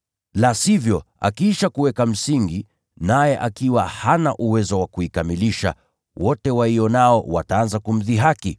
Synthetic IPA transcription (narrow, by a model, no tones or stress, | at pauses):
lasivjɔa̰kiiʃakuwɛkam̩siŋɡi | najɛʔakiwahanaʔuwɛzɔwakuikamiliʃa̰ | wɔtɛwaiɔnaɔwataanzakum̩ðiɦaki